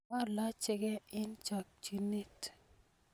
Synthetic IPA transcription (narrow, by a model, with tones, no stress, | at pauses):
a˦la˦t͡ʃɪ˦ɡɛ˦ɪ˦nt͡ʃa˨k̚d͡ʒi˨ni˦t